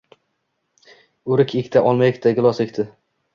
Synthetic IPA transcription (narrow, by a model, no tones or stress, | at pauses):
ʊɾɪkʰʲekʲt̪ʰaʔɒlˠmajɪkʲt̪ʰaɡʲɪlˠɒsekʲt̪ʰɪ